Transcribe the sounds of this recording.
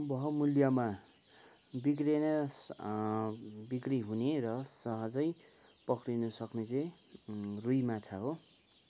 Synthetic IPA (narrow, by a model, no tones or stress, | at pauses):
bʌɦʌmuljama | bikrenʌ | bikriɦuneɾʌsʌɦʌd͡zʌj | pʌkrinʌsʌknet͡sẽ | rujmat͡sʰaɦo